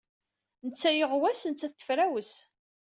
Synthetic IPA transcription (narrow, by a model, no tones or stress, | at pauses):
nət͡sːæjəʁwæsənt͡sːæθə̥fɾæwəs